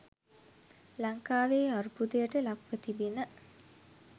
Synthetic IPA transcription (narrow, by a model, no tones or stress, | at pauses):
laŋkaːʋeːaɾupud̪əjəʈəlakʋət̪ibinə